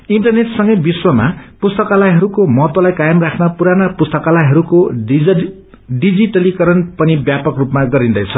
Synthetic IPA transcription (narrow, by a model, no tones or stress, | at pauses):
iɳʈʌrneʈsʌŋɡʌjbiswʌma̰pust̪ʌkalajɦʌɾukomʌɦʌt̪wʌlajkajʌmrakʰnapuɾanapust̪ʌkalajɦʌɾuko | ɖid͡ziʈʌlikʌɾʌnpʌnibjapʌkrupmaɡʌɾind̪ʌjt͡sʰʌ